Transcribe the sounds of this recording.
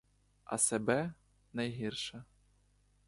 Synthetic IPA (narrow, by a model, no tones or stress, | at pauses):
ɐ̰sɛbɛ | nɐjɦʲirʂɐ